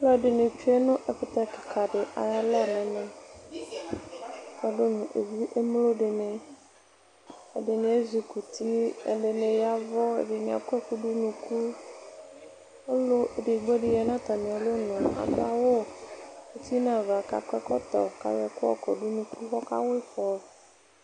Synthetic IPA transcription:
lɔ˦˨ɖɪ˨ne˨t͡ʃu˦e˦nʊ̃˦ʔɛ˨ɸɪ˦t̪a˦kɪ˨ka˨ɖɪ˨ʔa̰˨ja˦lɛ˦˨nɛ̃˨nẽ˨˦ | kɔ˨do˦nʊ̃˨ʔḛ˨vu˦ʔe˦mlo˦ɖɪ˨ne˨ | e˨dɪ˨nĩ˨˦e˦zu˨ku˨t̪i˦ḛ˨le˨nẽ˨ja˦vɔ˦ḛ˨ɖe˨nĩ˨a̰˨kʷɛ˦ku˦ɖu˦nũ˨ku˦ | o˦lo˦e˨ɖe˨ɡ͡bɔ˦ɖe˨ja˨nã˦t̪a˨mĩ˨a˨lo˦nɔ̃˨a̰˨d̪o˦a˦wo˦ | e˨t̪i˦nã˨va˨ka̰˨kɛ˦kɔ˦t̪ɔ̰˨ka̰˨jɔ˨ku˦ɔ̰˦˨kɔ˨ɖu˦nũ˨ku˦xɔ˦ka̰˦we˦fɔ˨

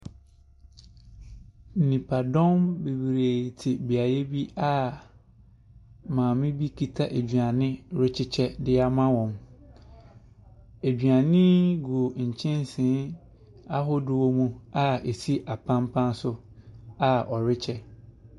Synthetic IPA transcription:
n̩˨nĩ˨pʰa˨dɔ̃˦mbe˨wi˨ɾe˨tʰɪ˨bi˨a˨je˦bi˦a˦ | mãː˨mɪ̃˦bi˦kʰi˨tʰa˦ʔe˨d͡ʑɥa˨nɪ̃˦ɾɪ˦t͡ɕʰɪ˦t͡ɕʰɛ˦dɪ˦a˨mã˦wɔ̃˨m | e˨dɥa˨nɪ̃˦ɡu˨o˨ɲ̩˨t͡ɕʰɪ̃˦n˦sɪ̃˨˦ | a˦ɦʊ˦dʊ˨wɔ˦mũ˦a˦e˨si˦ʔa˨pʰã˦mpʰã˦n˦sʊ˦ | a˨ɔ˨ɾɪ˦t͡ɕʰɛ˦

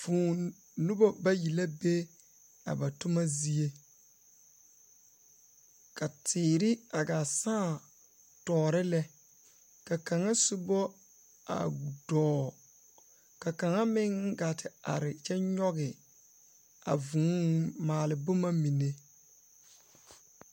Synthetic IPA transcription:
vũː˨ | nu˦bɔ˦ba˦ji˨la˦be˦ | a̰˨ba˨tʊ˦ma˦zi˦e˦ | ka˨tɪː˨ɾɪ˦a˨ɡa˨sãː˦˨ | tɔː˨ɾɪ˦lɛ˦ | ka˨ka˨ŋa˦sʊ˦bɔ˦ | a̰˨u˨dɔː˦˨ | ka˨ka˨ŋa˦mɪ˦ŋ˦ɡa˨tʰɪ˨a̰˨ɾɪ˨t͡ʃɛ˦ɲɔ˦ɣɪ˨ | a̰˨vũ˨ŋ˦maː˨lɪ˨bʊ˦ma˦mi˨ne˦

